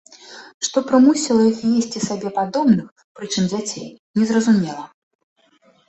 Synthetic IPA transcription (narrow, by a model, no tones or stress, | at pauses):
ʂt̪ɔpɾɨmusʲilˠɐixjesʲt͡sʲisabʲɛpad̪ɔbnɨx | pɾɨt͡ʂɨmd͡zʲat͡sʲej | nʲɛzrɐzumʲɛlˠɐ